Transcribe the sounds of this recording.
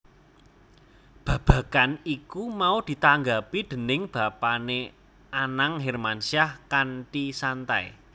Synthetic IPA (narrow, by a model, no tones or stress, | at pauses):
b̥ä̤b̥ä̤kanikumaud̪̥i̤t̪aŋɡapid̪̥ə̤nɪŋb̥ä̤pane | anaŋɦermansiahkanʈisant̪aḛ